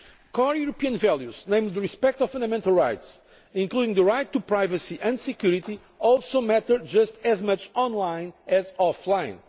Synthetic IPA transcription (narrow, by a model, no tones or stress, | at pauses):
kʰɔɹjuɾopiə̃nvɛlˠjuznẽɪ̃md̪ɹispɛk̚t̪ɔv̥fãnd̪əmɛ̃nt̪əlˠɹajt̪s | ĩŋkludɪ̃ŋðəɹajt̪ːupɹajvəsiʔɨ̃nd̪sɨkjuɾit̪i | ɔlˠsomɛt̪ə˞d͡ʒʌst̪ɛzmʌt͡ʃɔ̃nlãɪ̃nɛzɔflãɪ̃n